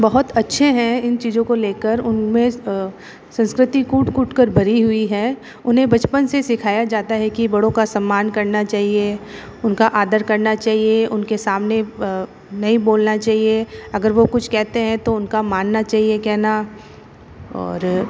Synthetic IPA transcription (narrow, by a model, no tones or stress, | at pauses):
bɐɦʊt̪ɐtːʃʰeɦɛ̃ɪnt͡ʃiːzõkoleːkəɾʊnmẽ | sɐ̃nskɾɪt̪ikuʈkuːʈʰkəɾbʱɐɾiɦʊiɦɛ | ʊnɦẽbɐt͡ʃpənsesɪkʰaːjad͡ʒaːt̪aɦɛkibɐɽõkasɐmːaːnkɐɾnat͡ʃaːɦie | ʊnkaʔaːd̪əɾkɐɾnat͡ʃaːɦieʊnkesaːmne | nɐɦĩboːlnat͡ʃaːɦieɐɡəɾʋokʊt͡ʃʰkɛɦt̪eɦɛ̃t̪oʊnkamaːnːat͡ʃaːɦiekɛɦna | ɔ̰ːɾ